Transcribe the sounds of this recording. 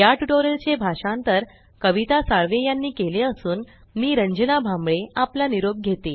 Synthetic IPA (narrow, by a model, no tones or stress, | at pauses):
jaʈuʈoɾəlt͡ɕebʱaʂãnt̪əɾ | kəʋit̪asaɭʋejanːiːkeleəsuːn | miːɾəɲd͡ʑənabʱamɭeaplaniɾob̚ɡʱet̪e